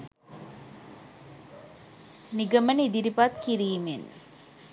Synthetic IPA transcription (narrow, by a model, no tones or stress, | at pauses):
niɡəmənid̪iɾipat̪kiɾiːmen